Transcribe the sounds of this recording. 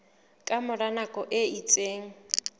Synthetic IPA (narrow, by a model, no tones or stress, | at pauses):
kʼamʊranakʼɔʔɪit͡sʼeːŋ̩